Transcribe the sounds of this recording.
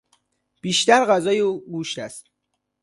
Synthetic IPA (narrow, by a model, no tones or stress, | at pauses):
b̥iːʃt̪æɾɢæzɒːjeuːɡuːʃt̪æst̪